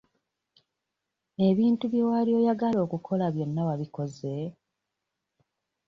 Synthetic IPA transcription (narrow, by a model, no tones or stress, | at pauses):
e̞βiːntuβjowalio̞ːjaɡalo̞ːkukʰo̞laβjo̞nːawaβiko̞ze̞